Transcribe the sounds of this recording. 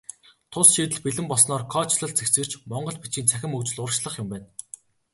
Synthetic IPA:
t̪ʰʊsʃiːt̪ɘ̆ɮpiɮɘ̆mpɔsnɔːrkʰɔːt͡ɕɮə̆ɮt͡sʰekt͡sɘ̆r̥t͡ɕmɔɴɢɞ̆ɮpit͡ɕiːnt͡sʰæxʲɪ̆mɵkt͡ɕɪ̆ɮʊrʃɮə̆χjʊmpæːn

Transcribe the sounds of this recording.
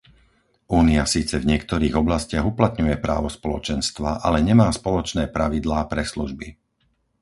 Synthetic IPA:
ʔuːniasiːt͡sɛvɲɪɛkt̪ɔɾiːɣɔblascɪaɣuplat̪ɲujɛpɾa̰ːʋɔspɔlɔt͡ʃɛnst̪ʋaʔalɛɲɛmaːspɔlɔt͡ʃnɛːpɾaʋid̪laːpɾɛsluʒbi

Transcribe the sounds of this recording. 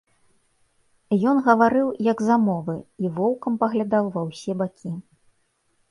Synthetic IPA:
jɔnɣɐvaɾɨwjɐɡzamɔvɨivɔwkɐmpɐɣlʲad̪awvɐwsʲɛbakʲʰi

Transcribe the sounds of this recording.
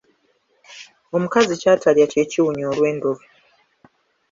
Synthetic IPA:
o̞mukazicaːtʰaljace̞ːciwuɲoːlwe̞ːndo̞vi

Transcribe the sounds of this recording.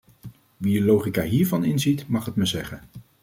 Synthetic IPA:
ʋidəlowχikaːɦiːɹvɑnɪnzitmɑχɦətməzɛχən

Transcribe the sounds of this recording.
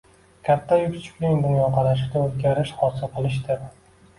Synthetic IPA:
kʲʰat̪ʰːajʊkʲt͡ʃʰɪ̥kʲlɪŋd̪ʊnjɒqʰɑɾaʃɪt̪ʲaɵzɡʲaɾɪʃhɒsɪlˠqʰɨlˠɪʃ̬d̪ɪm

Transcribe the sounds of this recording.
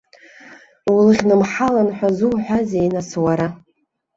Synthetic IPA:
wlɨχʲnɨmħalanħʷᶣazuwħʷᶣazejnaswaɾa

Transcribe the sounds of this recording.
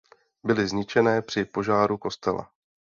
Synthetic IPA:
bɪlɪzɲɪt͡ʃɛnɛːpr̝̥ɪpo̞ʒaːɾuko̞st̪ɛla̰

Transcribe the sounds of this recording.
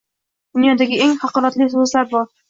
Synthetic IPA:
d̪̥ʊnjɒd̪aɡʲɪeŋhɑqʰɒlˠat̪lɪs̬ozlaɾbɒɾ

